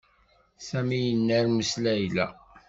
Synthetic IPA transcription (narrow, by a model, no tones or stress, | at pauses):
sæmijənːæɾməslæjlæ̰